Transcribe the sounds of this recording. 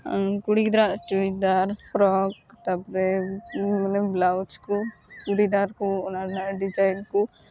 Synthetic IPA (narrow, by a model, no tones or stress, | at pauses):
kuɽid̪ɾaʔt͡ʃuɽid̪aɾpɾɔk̚t̪apɾɛ | manɛblawt͡ʃkukuɽid̪aɾkuɔnaɾnaɖid͡ʒajnku